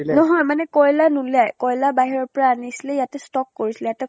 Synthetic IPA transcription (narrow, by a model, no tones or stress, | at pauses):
nɔɦɔjmanɛkɔjlanulajkɔjlabaɦiɹɔɹpɔɹaːnisilɛjatɛstɔkːoɹisilɛjatɛ